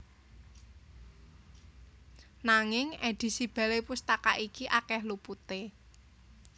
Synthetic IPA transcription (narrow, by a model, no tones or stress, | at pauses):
naŋɪŋed̪̥i̤sib̥a̤lepust̪akaʔikiʔakɛhluput̪e